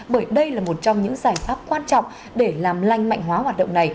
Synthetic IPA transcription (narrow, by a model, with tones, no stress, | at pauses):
ɓəː˧˩jɗə˧jlaː˨˩mo˨˩t̚t͡ɕɔ˧wŋ͡mɲɨ̰˧˥ŋzaː˧˩jfaː˦˥p̚kwaː˧nt͡ɕɔ̰˧˨wŋ͡m | ɗe˧˩laː˨˩mla˧jŋ̟ma̰˧˨jŋ̟ɦwaː˨˦ɦwaː˨˩t̚ɗə̰˧˨wŋ͡mna˨˩j